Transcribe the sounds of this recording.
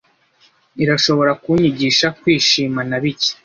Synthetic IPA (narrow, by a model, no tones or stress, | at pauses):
iɾaʃo̞βo̞ɾakuɲiɟiːʃakwiːʃiːmanaβici̥